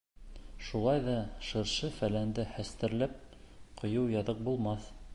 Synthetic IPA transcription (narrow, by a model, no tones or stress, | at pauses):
ʃulˠɑjðɑʃɤ̆ɾʃɤfælænd̪ɘhæst̪ɘ̆ɾlæp̚qʰŏjɤwjɑðɤq̚bulˠmɑθ